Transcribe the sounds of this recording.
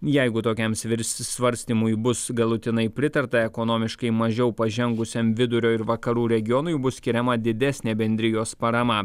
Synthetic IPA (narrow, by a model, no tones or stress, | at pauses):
jɛɪɡʊt̪oːkʲɛmsʋʲɪɾʲssʲʋɐɾʲsʲt̪ʲiːmʊjbʊsɡɐlˠʊt̪ʲɪnɐɪpʲɾʲɪt̪ɐɾt̪ɐɛkonoːmʲɪʃkɐɪmɐʒʲɛʊpɐʒʲɛŋɡʊsʲemʋʲɪd̪ʊɾʲoːɪɾʋɐkɐɾuːɾʲɛɡʲɪjɔnʊɪbʊssʲkʲɪɾʲɛmɐd̪ʲɪd̪ʲɛsʲnʲeːbʲɛnʲd̪ʲɾʲɪjoːspɐɾɐmɐ